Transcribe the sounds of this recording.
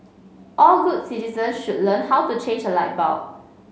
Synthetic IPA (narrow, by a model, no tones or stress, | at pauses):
ʔɔlɡudsitizə̃nsʃud̚lə̃nhawtut͡ʃʰẽnd͡ʒəlaɪt̚baʊ